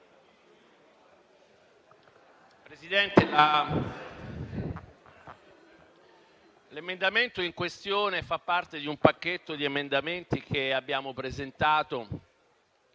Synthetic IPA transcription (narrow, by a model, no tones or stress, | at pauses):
pɾezid̪ɛnt̪ela | lemend̪ament̪oiŋkwest̪joːnefapːart̪ed̪iumpakːet̪ːod̪iemend̪ament̪ik̟ʰeabːjaːmopɾezent̪aːt̪o